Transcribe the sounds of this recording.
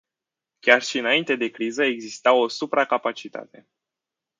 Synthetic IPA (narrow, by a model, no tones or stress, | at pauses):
kʲarʃiɨnaint̪e̞d̪e̞kɾizəe̞ɡzist̪awo̞supɾakapat͡ʃit̪a̰t̪e̞